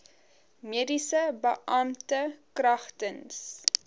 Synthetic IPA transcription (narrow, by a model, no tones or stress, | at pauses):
miədisəbəʔɐmtəkrɐχtəns